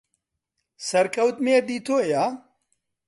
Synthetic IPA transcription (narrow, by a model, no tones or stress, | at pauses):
sɐɾkʰɐwt̪meːɾd̪iːt̪ʰoːjaː